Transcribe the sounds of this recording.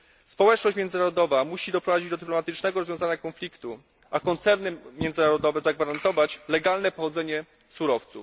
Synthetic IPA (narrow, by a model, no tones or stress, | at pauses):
spɔwɛt͡ʂnɔɕt͡ɕmʲjɛnzɘnaɾɔd̪ɔvamuɕid̪ɔpɾɔvad͡ʑid͡ʑd̪ɔd̪ɘplɔmat̪ɘt͡ʂnɛɡɔɾɔzvʲjɔ̃zaɲakɔnflʲikt̪u | ʔakɔnt̪sɛɾnɘmʲjɛnd̪zɘnaɾɔd̪ɔvɛzaɡvaɾant̪ɔvat͡ɕlɛɡalnɛpɔxɔd̪zɛɲɛ | suɾɔft̪sṵf